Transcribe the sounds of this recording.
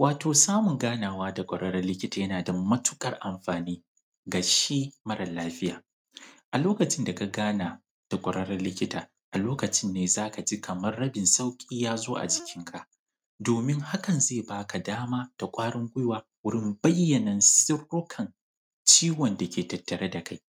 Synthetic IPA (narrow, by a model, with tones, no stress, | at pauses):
waː˨tʰoː˨saː˦mʊ˨ŋɡaː˦naː˨waː˦da˨kʷʼɔ˨ɽɐ˦ɽɐ˦rlɪ˦kʲɪ˦taː˨jɐ˦naː˨dɐ˨mːɐ˦tʊ̥˦kʼɐ˨rʔa˨mɸaː˨niː˦ | ɡa˨ʃiː˦mɐ˦ɾɐ˨laː˦ɸɪ˦jaː˨ | ʔa˨loː˦kɐ˨t͡ʃɪ˦nda˨ka˨ɡaː˦naː˨ | d̥a˨kʷʼɐ˨ɾɐ˦ɽɐ˦rlɪ˦kʲɪ˦taː˨ | ʔa˨loː˦kɐ˨t͡ʃɪ˦nːeː˨zaː˦ka˨d͡ʒi˦kʰɐ˨mɐ˦rːɐ˦bɪ˨nsa˦wkʲʼiː˦jaː˦zoː˦ʔa̰˨d͡ʒɪ˨kʲɪ˦ŋkʰa˦ʔ | doː˨mɪ˦ŋha˦kɐ˨nzeː˦˨baː˦ka˨daː˦maː˦d̥a˨kʷʼaː˦ɽɪ˦ŋɡʷʊ˦jwaː˦wʊ˦ɽɪ˦mbɐ˦jːɐ˨nɐ˨nsɪ˦rːʊ˦kʰɐ˨n | t͡ʃiː˦wɔ˨nda˨kʲʰeː˨tɐ˨tːɐ˨ɾa˦da˨ka˦j